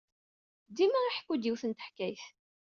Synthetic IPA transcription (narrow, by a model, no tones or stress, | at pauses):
d̪imæiħkːud̪iwθənt̪ə̥ħkːæjθ